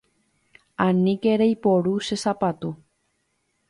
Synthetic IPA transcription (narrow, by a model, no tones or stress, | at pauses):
ãnĩkeɾejpoɾuʃesapat̪u